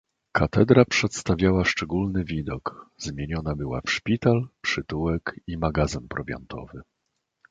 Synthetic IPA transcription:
kat̪ɛd̪ɾapʂɛt̪st̪avʲjawaʂt͡ʂɛɡulnɘvʲid̪ɔkzmʲjeɲɔnabɘwa̰fʂpʲit̪alpʂɘt̪uwɛkimaɡazɘmpɾɔvʲja̰nt̪ʰɔ̰vɘ

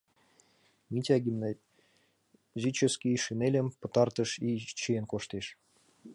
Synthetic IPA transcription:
mʲitʲɑɡʲimn | zʲit͡ɕə̆skʲiʃinelʲə̆mpə̆t̪ɑrt̪ə̆ʃit͡ɕienkoʃt̪eʃ

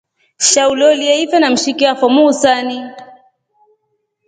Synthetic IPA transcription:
ʃaulɔliaifɛnam̩ʃikiafɔmuːsani

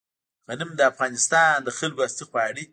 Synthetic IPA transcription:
ɣanɪmd̪əafɣɑnɪst̪ɑnd̪əxɪlɡast̪ixwɑɽi

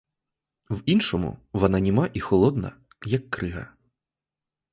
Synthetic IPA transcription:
winʃɔmʊ̰ʋɐnɐnʲimaʔixɔlˠɔd̪nɐ̰ | jɐkːɾɪɦɐ̰

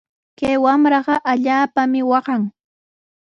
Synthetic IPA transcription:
kajwamɾɑɢɑʔaʎaːpamɪwɑɢɑŋ

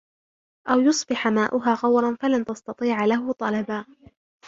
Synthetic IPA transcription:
ʔawjʊsˤbɪħamaːʔʊɦaːɣɑwɾˤɑnfalant̪ɑst̪ɑt̪ˤiːʕlaɦʊt̪ˤɑlɑbaː

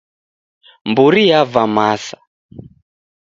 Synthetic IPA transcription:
mbuɾijavamasḁ

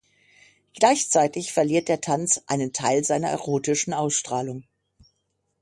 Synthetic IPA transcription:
ɡ̥laɪçt͡saɪtɪçfɛɐliːɐt̚d̥eːɐtʰant͡sʔa̰ɪnəntʰaɪlzaɪnɐ̰ʔɛ̰ʁoːtɪʃn̩ʔaʊsʃtʁ̥aːlʊŋ

